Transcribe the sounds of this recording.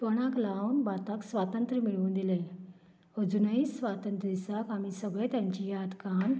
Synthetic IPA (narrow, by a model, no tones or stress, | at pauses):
pəɽ̃aklawnbat̪aksʋat̪ənt̪ɾəmiɭuːnd̪ile | əd͡zunəisʋat̪ənt̪ɾəd̪isakamisəɡɭet̪jaɲt͡ɕijad̪kan